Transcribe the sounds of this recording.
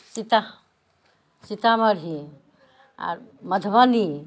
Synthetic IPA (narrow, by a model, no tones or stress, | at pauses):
sit̪a | sit̪aməɾɦi | a̰ɾməd̪ʱbəni